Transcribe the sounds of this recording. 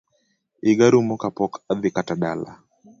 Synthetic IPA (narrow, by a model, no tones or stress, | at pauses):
ɪɡaɾumɔkapɔkad̪ɪkataɗala̰